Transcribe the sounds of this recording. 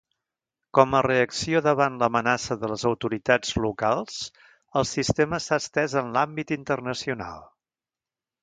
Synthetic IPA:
kɔməreəksioðəβanləmənasəðələzəwt̪uɾit̪ad͡zlukalˠs | əlˠsist̪eməsast̪ɛzənlambit̪int̪ərnəsiuna̰lˠ

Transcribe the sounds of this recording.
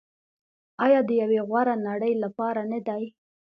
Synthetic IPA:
ɑjɑd̪əjaweɣwaɾanaɽəjlapɑɾanəd̪aj

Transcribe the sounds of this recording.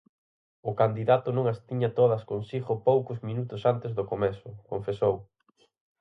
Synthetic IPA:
ʊkand̪iðat̪ʊnõŋast̪iɲɐt̪oð̞ɐskonsiɣʊpowkʊzmĩnut̪ʊsant̪ezðʊkomɛsʊkoɱfesow

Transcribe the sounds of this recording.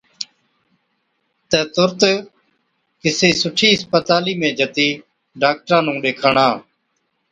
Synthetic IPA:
t̪ɛ̃ːt̪ʊɾt̪ | kɪseːsʊʈʰiːɪspət̪aːliːmẽːd͡ʒʱət̪iː | ɖaːk̚ʈɾãːnũːɗeːkʰəɳãː

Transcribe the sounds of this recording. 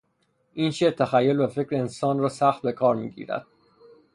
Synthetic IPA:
ʔiːnʃeːɾt̪ʰæxæjːo̞lbæfe̞cɾeensɒːnrɒːsæxt̪̚be̞kʰɒːɾmḭːɡḭːɾæ̰d̪̥

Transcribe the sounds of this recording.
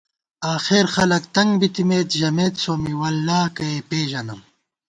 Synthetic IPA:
aːxeːɾxɐlɐkt̪ɐŋɡbit̪imeːt̪ʑɐmeːt̪soːmiwɐlːaːkɐepeːʒɐnɐm

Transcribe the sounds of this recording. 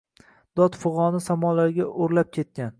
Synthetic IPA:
d̪̥ɒt̪fʊʁɒnɪsamɒlaɾɡʲaʔoɾlap̚kʲʰe̞t̪̚kʲan

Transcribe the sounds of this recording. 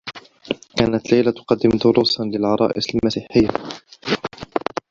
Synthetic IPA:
kaːnat̪lajlat̪ʊ̥qɑd̪ːɪmd̪ʊɾuːsˤnlɪlʕɑɾˤɑ̰ːʔɪsalmasiːħɪjːa

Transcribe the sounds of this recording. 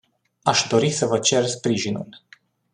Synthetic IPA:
aʃd̪o̞ɾisəvət͡ʃe̞rspɾiʒinṵl

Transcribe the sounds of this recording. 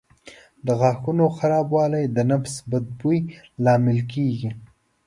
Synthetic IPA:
d̪əɣɑxunoxaɾɑbwɑlajd̪ənafsbad̪̚bujlɑmɪlkeɡi

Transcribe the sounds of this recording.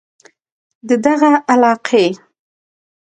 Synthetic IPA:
d̪əd̪aɣaʔalɑqʰe

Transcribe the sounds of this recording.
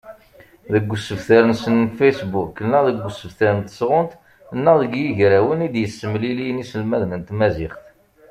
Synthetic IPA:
ðəɡʷːsəvθæɾənsənfejsbukːənːəðəɡʷːsəvθæɾənt̪ə̥sʁʊnt̪ | nːəðəɡjiʝɾæwənid̪jəsːəmlilijnisəlmæðnənt̪mæzɪχθ

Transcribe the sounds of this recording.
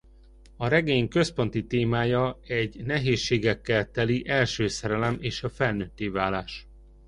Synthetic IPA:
ɒɾɛɡeːɲkø̞spo̞nt̪it̪eːmaːjɒɛɟnɛɦeːʃːeːɡɛkːɛlt̪ɛliʔɛlʃøːsɛɾɛlɛmeːʃɒfɛlnøt̪ːeːvaːlaːʃ

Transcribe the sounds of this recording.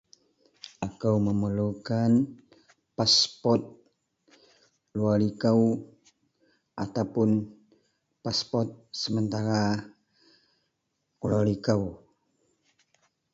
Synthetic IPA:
akəwməməlukan | paspɔt̪̚ | lualikaw | ʔat̪awpʊn | paspɔt̪̚səmənt̪aɾa | kulalikaw

